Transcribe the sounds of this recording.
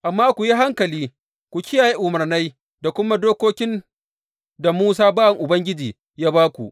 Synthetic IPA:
ʔa˨mːaː˦kʷu˨ji˦ɦa˦ŋkɐ˨liː˦ | kʷu˨kʲɪ˦jaː˨ji˦ʔʊ˨mɐ˨rna˦j | da˨kʷʊ˦ma˦doː˦koː˦kʲɪ˦n | da˨muː˦s̬aː˦baː˦wɐ˨ŋʔʊ˨bɐ˦ŋɡʲɪ˦d͡ʒiː˨ | jaː˦baː˦kʷṵ˨ʔ

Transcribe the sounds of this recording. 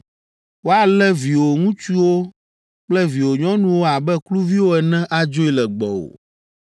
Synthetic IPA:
wo˦a˨lɛ˦vi˨wo˨ŋũ˦t͡ʃu˦wo˦ | k͡plɛ˦vi˨wo˨ɲɔ̃˦nũ˦wo˦a˨bɛ˦klu˦vi˦wo˦ɛ˨nɛ̃˦ʔa˦d͡ʒo˦i˦˨lɛ˨ɡ͡bɔ˨o̰˨

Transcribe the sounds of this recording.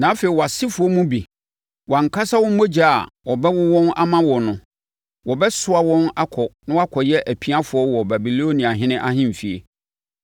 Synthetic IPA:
nã˨˦fe˨i˨wɔ˨a˨sɪ˦fʊ˨ɔ˦mũ˦bi˨ | wã˨ŋ˨kʰa˦sa˦wɔ̃˦m˦mo˦d͡ʑa˨a˨wɔ˨bɛ˦wʊ˦wɔ̃˦na˦mã˦wɔ˨nʊ̃˨ | wɔ˨bɛ˦sʊ˦a˨wɔ̃˦na˦kʰɔ˨nã˦wa˦kʰɔ˨jɛ˦ʔæ˨pʰi˦a˦fʊ˨˦ɔ˦wɔ˨bæ˨bi˨lo˦nĩ˨a˨ɦɪ̃˦nɪ̃˦ʔa˦ɦɪ̃˦m̩˨fi˨ḛ˨

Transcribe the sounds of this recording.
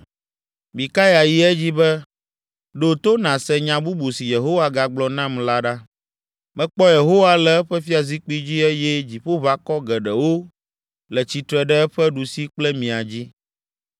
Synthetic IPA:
bi˨ka˦ja˨ji˦ɛ˦d͡ʑi˦bɛ˦ | ɖo˨t̪o˦nã˨sɛ˦ɲã˨bu˦bu˨si˨je˨ɦo˦wa˦ɡa˨ɡ͡blɔ˨nã˦mla˦ɖa˦ | mɛ̃˦k͡pɔ˦je˨ɦo˦wa˦lɛ˨ɛ˦ɸɛ˦fi˦a˨zi˦k͡pi˦d͡ʑi˦ɛ˦jɛ˦d͡ʑi˨ɸo˦βa˨kɔ˦ɡɛ˨ɖɛ˨wo˦ | lɛ˨t͡ɕi˨t̪ɾɛ˨ɖɛ˦ɛ˦ɸɛ˦ɖu˨si˦k͡plɛ˦mĩ˨a˨d͡ʑi˦

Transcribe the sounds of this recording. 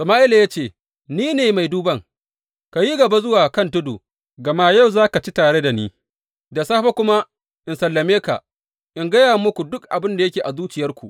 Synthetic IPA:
sɐ˨maː˦ʔɪ˦la˨jaː˦t͡ʃeː˦˨ | niː˦neː˨ma˨jduː˦bɐ˦ŋ | ka˨ji˦ɡɐ˨ba˦zʊ˦waː˨kɐ˦ntʊ˦dṵː˨ | ɡɐ˨maː˦ja˦˨wzaː˦ka˨t͡ʃi˦taː˨ɽe˦da˨niː˦ | da˨saː˦ɸa˦kʷʊ˦ma˦ | ʔɪ˨nsɐ˨lːɐ˨meː˦ka̰˨ | ʔɪ˨ŋɡɐ˦jaː˨mʊ˦kʷu˨dʊ˦kʔa˨bɪ˦nda˨jɐ˦kʲeː˨ʔa˨zuː˦t͡ʃɪ˨jɐ˦rkʷu˨ʔ

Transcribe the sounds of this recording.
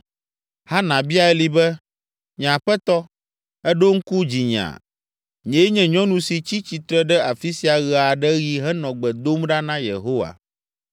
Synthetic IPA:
ha˦nã˨bi˦a˨ɛ˦li˦bɛ˦ | ɲ˨ã˨ɸɛ˦t̪ɔ˦ | ɛ˦ɖo˦ŋ̩˦ku˦d͡ʑi˨ɲ˨ã̰˨ | ɲɛ̃˨je˦ɲɛ̃˨ɲɔ̃˦nũ˨si˨t͡ɕi˦t͡ɕi˨t̪ɾɛ˦ɖɛ˦ʔa˨fi˦si˨a˨ɣɛ˨a˨ɖɛ˦ɣi˨˦ɦɛ˦nɔ̃˨ɡ͡bɛ˨d̪o˦mɖa˦nã˦jḛ˨ɦo˦wa̰˨

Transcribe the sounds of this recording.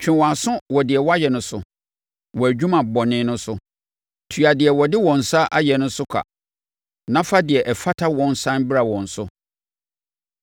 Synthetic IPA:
t͡ɕᶣʰɪ̃˨wɔ˨a˨sʊ̃˦wɔ˨dɪ˨ɛ˨wɔ˦a˦jɛ˨nʊ̃˦sʊ̰˦ | wɔ˨æ˨d͡ʑᶣũ˦mã˨bɔ˨nɪ̃˦nʊ̃˦sʊ˦ | tʰu˨a˨dɪ˨ɛ˨wɔ˨dɪ˦wɔ̃˨n̩˨sa˦ʔa˦jɛ˨nʊ̃˦sʊ˦kʷʰa̰˨ | nã˦fa˦dɪ˨ɛ˨ʔɛ˨fa˦tʰa˦wɔ̃˦n˦sã˦n˦bɪ˦ɾa˨wɔ̃˨n̩˨sʊ˦

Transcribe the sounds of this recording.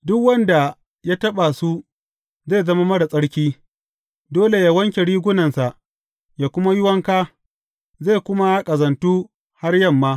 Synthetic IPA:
dʊ˦kwɐ˦nda˨ | ja˦tɐ˦ɓa˨su˦ | zeː˦˨zɐ˦ma˦mɐ˦ɽa˨sʼɐ˦ɽkʲiː˦ | doː˦le˨jaː˨wɐ˦ŋkʲe˨ɽiː˦ɡʷʊ˦nɐ˨nsa˨ʔ | jaː˨kʷʊ˦ma˦jʊ˦wɐ˦ŋkaː˦ | zeː˦˨kʷʊ˦ma˦ja˦kʼɐ˨zɐ˨ntuː˦ | ha˦rjɐ˦˨mːaː˦

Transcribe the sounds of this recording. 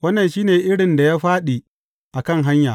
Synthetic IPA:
wɐ˦nːɐ˨nʃiː˦neː˨ʔɪ˦ɽɪ˨nda˨jaː˦ɸaː˦ɗi˨ | ʔa˨kɐ˦˨ŋɦa˦ɲjaː˨

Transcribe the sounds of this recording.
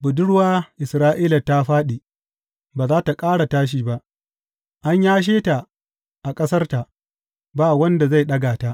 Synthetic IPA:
bʊ˨dʊ˦ɽwaː˦ʔɪ˨sɾaː˦ʔiː˦la˨ta˦ɸaː˦ɗi˨ | baː˨zaː˦ta˨kʼaː˦ɽa˨taː˦ʃ̬iː˦ba˦ʔ | ʔa˦ɲjaː˦ʃ̬eː˦ta˨ | ʔa˨kʼɐ˦sɐ˦rta˨ʔ | baː˦˨wɐ˦nda˨za˦˨jɗɐ˦ɡaː˨ta˦ʔ

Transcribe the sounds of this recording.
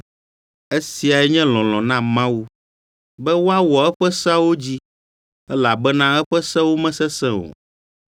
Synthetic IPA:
e˦si˨a˨ɛ˦ɲɛ̃˦lɔ̃˨lɔ̃˨nã˦mã˦wu˦ | bɛ˦wo˦a˦wɔ˨ɛ˦ɸɛ˦sa˦wo˦d͡ʑi˦ | ɛ˦la˨bɛ˦nã˦ɛ˦ɸɛ˦sɛ˦wo˦mɛ̃˦sɛ˦sɛ̃˦o̰˨

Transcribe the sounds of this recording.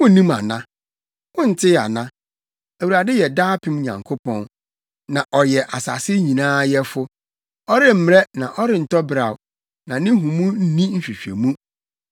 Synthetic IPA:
wʊ̃˦nĩ˦ma̰˨nã˦ | wʊ̃˦n̩˨tʰɪ˦˨a̰˨nã˦ | æ˨wu˨ɾa˨dɪ˦jɛ˨daː˦pʰɪ̃˦mɲã̰˨ŋkʰo˦pʰɔ̃˦n | nã˨ʔɔ˨jɛ˨ʔa˨sa̰˨sɪ˦ɲĩ˨nãː˦jɛ˦fʊ˦ | ɔ˦ɾɪ˦m̩˦m˦ɾɛ˦nã˨ʔɔ˦ɾɪ˦˨n̩˨tɔ˦bɾa˨w | nã˨nɪ̃˦ɦũ˨mũ˦n̩˦nĩ˦n̩˦ɕᶣi˨ɕᶣḛ˨mũ˦

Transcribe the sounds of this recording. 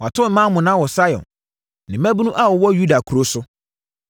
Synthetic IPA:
wɔ˨a˨tʰʊ̃˦m̩˦mã˦mʊ̃˨nã˦wɔ˨sa˦jɔ̰̃˨n | nɪ̃˨mæ̃˦bu˦nũ˦ʔa˦wɔ˨wɔ˦ju˦da˨kʰu˨ɾo˦sʊ˦

